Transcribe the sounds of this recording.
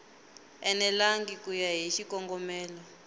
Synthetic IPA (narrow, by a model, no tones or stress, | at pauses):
ɛnɛlaŋɡikujaɦiʃikɔŋɡɔmɛːlɔ